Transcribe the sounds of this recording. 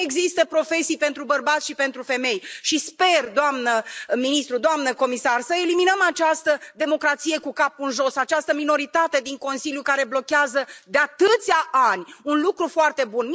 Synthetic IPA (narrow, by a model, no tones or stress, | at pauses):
eɡzist̪əpɾo̞fe̞sijpe̞nt̪ɾubərbat̪sʃipe̞nt̪ɾufe̞me̞jʃispe̞rd̪oamnəminist̪ɾud̪oamnəko̞misarsəe̞liminəmat͡ʃast̪əd̪e̞mo̞kɾat̪sije̞kukapunʒo̞sat͡ʃast̪əmino̞ɾit̪at̪e̞d̪iŋko̞nsilʲjukaɾe̞blo̞kʲeazəd̪eat̪ɨt̪sʲaʔanʲunlukɾufoart̪e̞bunm